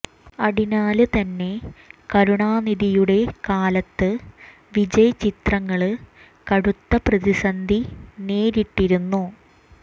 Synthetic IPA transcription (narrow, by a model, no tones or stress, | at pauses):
ɐɽinaːlɨt̪ɐnːe̞kɐɾuɳaːniðijuɽe̞kaːlɐt̪ːɨ | ʋid͡ʑɐjɐt͡ɕit̪rɐŋːɐɭɨ | kɐɽut̪ːɐprɐðisɐnd̪ʱine̞ːɾiʈːiɾunːu